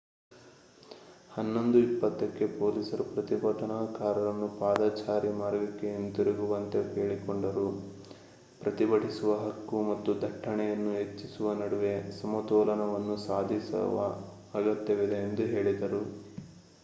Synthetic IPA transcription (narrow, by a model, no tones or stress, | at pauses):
hɐnːo̞nd̪uipːɐt̪ːɐkːe̞poːlisɐɾupɾɐt̪ibɐʈɐnaːkaːɾɐɾɐnːupaːd̪aːt͡ʃaːɾimaːɾɡɐkːe̞ent̪iɾiɡuʋɐnt̪e̞keːɭikoɳɖɐɾu | pɾɐt̪ibɐʈisuʋɐɦɐkːumɐt̪ːud̪ʱɐʈʰːɐɳɛjɐnːuɦet͡ʃːisuʋɐnɐɽuʋe̞sɐmɐt̪ɔːlɐnɐʋɐnːusaːd̪ʱisɐ̰ʋɐ̰ | ɐɡɐt̪jɐʋid̪e̞ːnd̪uɦe̞ːɭid̪ɐɾu